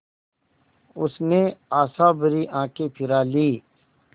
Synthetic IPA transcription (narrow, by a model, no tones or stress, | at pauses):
ʊsneaːsaːbəɾiːʔãːkepʰɪɾaːliː